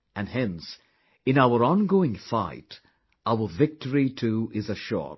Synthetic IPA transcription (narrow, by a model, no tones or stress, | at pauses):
ʔɨ̃nhɛ̃ns | ɨ̃naʊəɾɑ̃nɡoʊɪ̃ŋfa̰ɪt | ʔaʊə˞vɪk̚təɹitʰuɪzəʃɔ̰